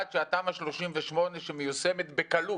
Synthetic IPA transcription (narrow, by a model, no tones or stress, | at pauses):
t̪ʃeat̪aːmhaʃlo̞ʃimveʃmo̞ne̞ʃemejusemet̪bekalu